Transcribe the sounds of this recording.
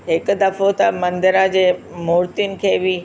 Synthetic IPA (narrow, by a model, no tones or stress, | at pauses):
ɦɪkʊ̆d̪ɐfot̪ɐmɐ̃nd̪ɪɾad͡ʑeːmʊːɾt̪iʊnɪ̆kʰeːbɪ